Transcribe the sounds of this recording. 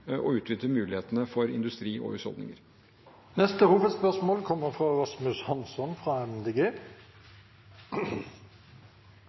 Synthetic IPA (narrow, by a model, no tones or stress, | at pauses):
ʔɔ̰ʉːt̪ʰʋɪt̪ləmʉːlɪheːt̪ənəfɔɾɪ̰nd̪ʉst̪ɾiːɔ̰ʉsɔ̰ld̪nɪ̰ŋəɾ | nɛst̪əhuːʋəd̪spœʁsmoːlkʰɔmːəʁfʁɑɾɑsmʉshɑnsɔnfʁɑːɛmd̪eːɡeː